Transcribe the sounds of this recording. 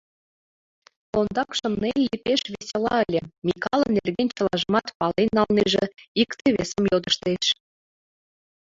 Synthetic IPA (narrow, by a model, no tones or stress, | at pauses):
kond̪ɑkʃə̆mnenlipeʃβesʲelɑ̰əlʲĕmʲikɑlə̆nːerɣenʲt͡ɕə̆lɑʒəmɑt̪pɑlenːɑlneʒĕikt̪eβesəmjod̪əʃt̪eʃ